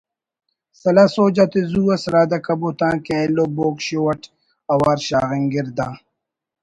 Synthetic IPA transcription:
sɐlasoːd͡ʑat̪ezuːɐsɾaːd̪ɐkɐbot̪ãːkɛloboːkɕowɐʈ | ɐwaːɾɕaːɣiŋɡiɾd̪aː

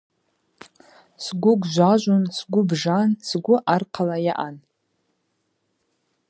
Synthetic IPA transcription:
sɡʷʊɡʷʒʷaʒʷʊnsɡʷʊbʐansɡʷʊʔarqʰalajaʔan

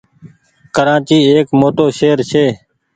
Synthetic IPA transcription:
kəɾaːt͡ʃiːeːkmoːʈoːʃeːəɾʃeː

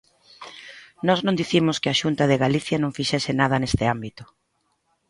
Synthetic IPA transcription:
nɔznõnd̪iθimʊskɪaʃunt̪ɐðɪɣaliθjɐnõŋfiʃɛsɪnað̞ɐnest̪ɪambit̪ʊ̥

